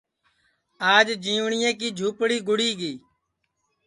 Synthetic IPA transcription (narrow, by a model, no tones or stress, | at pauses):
aːd͡ʒd͡ʒĩːʋɳɪjẽːkiːd͡ʒʱuːpɽiːɡʊɽiːɡiː